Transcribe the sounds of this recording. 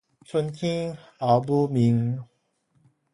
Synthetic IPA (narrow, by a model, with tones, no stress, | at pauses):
sʰə˧nkʰĩ˦a˨˦bu˧mi˨˦ŋ